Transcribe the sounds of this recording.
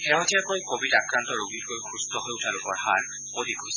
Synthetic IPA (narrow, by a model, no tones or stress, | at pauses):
xɛɦɔtʰijakojkobidakɹantɔɹoɡitkojxʰustɔɦojʊtʰalʊpɔɹhaɹ | podikojsɛ̥